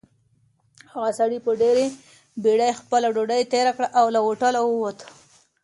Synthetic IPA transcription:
haɣasaɽipəɖeɾe | beɽajxpəlaɖoɖajt̪eɾakɽaʔawlawoʈalawəwat̪ə̥

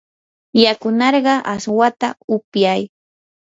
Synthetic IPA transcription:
jakʊnɑɾɢɑʔaswat̪aʊpjaj

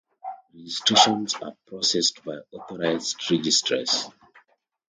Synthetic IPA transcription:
ɹɛd͡ʒistɹeʃɔ̃nsa̰pʰɹɔsɛstbaɪɔθɔɹaɪzdɹɛd͡ʒistʰɹə̰s

